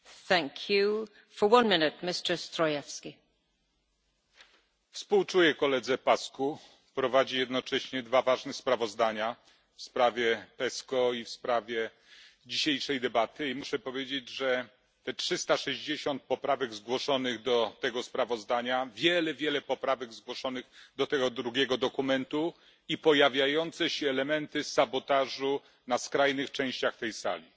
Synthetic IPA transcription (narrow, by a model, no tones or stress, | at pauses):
θæ̃ŋkʰju | fə˞wʌ̃nmɪnɪt̚mɪstə˞stɹɔjɛfski | fspuwt͡ʂujɛkɔlɛd̪zɛpasku | pɾɔvad͡ʑijɛd̪nɔt͡ʂɛɕɲɛd̪vavaʐnɛxspɾavɔzd̪aɲa | fspɾavʲjɛpɛskɔifspɾavʲjɛ | d͡ʑiɕejʂɛjd̪ɛbat̪ɘimuʂɛpɔvʲjed͡ʑed͡ʑʐɛ | t̪ɛtʂɘst̪aʂɛʑd͡ʑeɕɔnt̪̚pɔpɾavɛɡzɡwɔʂɔnɘɣd̪ɔt̪ɛɡɔspɾavɔzd̪aɲavʲjɛlɛvʲjɛlɛpɔpɾavɛɡzɡwɔʂɔnɘɣd̪ɔt̪ɛɡɔd̪ɾuɡʲɛɡɔd̪ɔkumɛnt̪u | ipɔjavʲjajɔnt̪sɛɕɛːlɛmɛnt̪ɘsabɔt̪aʐu | naskɾajnɘxt͡ʂɛ̃w̃ɕt͡ɕaxt̪ɛjsa̰lʲi